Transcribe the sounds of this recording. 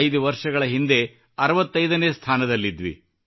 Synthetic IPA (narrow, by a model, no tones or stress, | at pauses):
jd̪uʋɐɾʂɐɡɐɭɐɦind̪e̞ | ɐɾɐʋɐt̪ːɐjd̪ɐneːst̪ʰaːnɐd̪ɐlːid̪ʋḭ